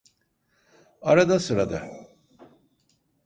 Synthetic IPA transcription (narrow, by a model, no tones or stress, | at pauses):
aɾad̪asɯɾad̪a̰